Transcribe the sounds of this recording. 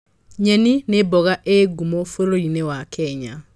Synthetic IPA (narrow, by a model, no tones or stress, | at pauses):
ɲɛninebɔɣaʔeɡumofoɾoinewakʰɛɲa